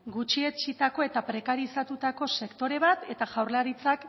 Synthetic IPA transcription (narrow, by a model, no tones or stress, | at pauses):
ɡut͡ʃie̞t͡ʃit̪ako̞e̞t̪apɾe̞kaɾisat̪ut̪ako̞se̞kt̪o̞ɾe̞β̞at̪e̞t̪aʝawrlaɾit͡sak